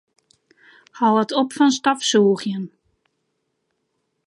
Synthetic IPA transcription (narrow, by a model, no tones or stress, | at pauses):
hawətʰopfɔnstɔfsuːχjən